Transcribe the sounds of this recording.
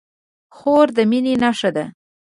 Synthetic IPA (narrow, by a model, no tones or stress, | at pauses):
xoɾd̪əminenaʂad̪a